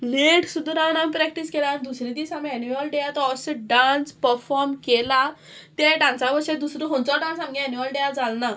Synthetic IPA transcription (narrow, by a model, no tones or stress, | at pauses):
leʈʰsud̪ʱɾanãmpɾɛk̚ʈiskɛland̪usɾed̪isamɛnuʋalɖejat̪ɔɔsiɖãnspəɾfɔɾmkela | t̪eɖãnsabəɕed̪usɾoɦõnt͡sɔɖãnsamɡiɛnuʋalɖejad͡zalna